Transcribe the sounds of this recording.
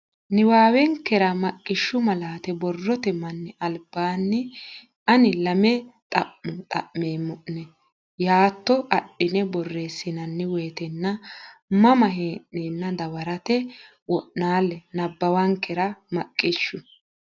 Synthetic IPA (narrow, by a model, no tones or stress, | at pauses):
nɪwaːwɛŋkːɛɾɐmɐkʼːɪʃːʊmɐlaːt̪ɛbɔrːɔt̪ɛmɐnːɛʔɐlb̥ːaːnːɪ | ʔɐnɪlɐmɛt̪ʼɐʔmʊt̪ʼɐ̰ʔmeːmːʊʔnɛ | jaːt̪ːɔʔɐɗːɪnɛbɔrːe̞ːsːɪnɐnːɪweːt̪ɛnːɐmɐmɐɦeʔnenːɐd̪ɐwɐɾɐt̪ɛ | wɔʔnaːlːɛnɐbːɐwɐŋkːɛɾɐmɐkʼːɪʃːʊ